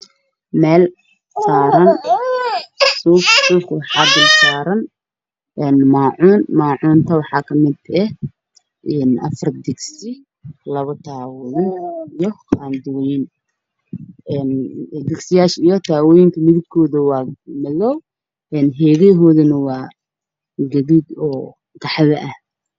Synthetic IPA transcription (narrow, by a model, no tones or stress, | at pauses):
mɛːl | ssaːɾɐn | susuːkʰɐwɑħɑːb̪ɪlsaːɾɐn | ʔɛːnmaːʕuːnmaːʕuːnt̪ʰɐwɑħɑːkʰɐmɪd̪ɛh | ʔɛːnʔɐ̰fɐrd̪ɪɡsɪ | lɐβɐt̪ʰaːwɔjɪnijɔhand̪ʊwjɪn | ɛnd̪ɪɡsɪjaːʃijɔt̪ʰaːwɔjɪŋkʰɐmɪðɪɡ̚kʰɔːðɐwɑːmɐlɔw | ɛnɦɛːɣɛːɦɔːðɐnɐwɑː | ɡɐðid̪ɔː | ɡɑħðɐʔɐh